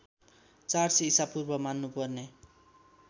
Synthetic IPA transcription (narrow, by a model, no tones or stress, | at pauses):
t͡sarsiːsapurbʌmanːupʌrne